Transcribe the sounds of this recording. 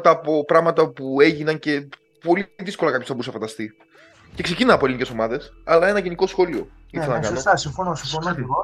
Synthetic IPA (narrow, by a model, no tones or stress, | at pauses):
t̪ɐːpo̞pɾɐɣmɐt̪ɐpue̞ʝinɐnce̞ | po̞liðisko̞lɐkɐpçost̪ɐbuusɐfɐnd̪ɐst̪i | ce̞kse̞cinɐnɐpolinice̞so̞mɐðe̞sɐlɐe̞nɐʝiniko̞sxo̞lio̞ | iθenɐkɐɐnosɐsiɱfonosifonoio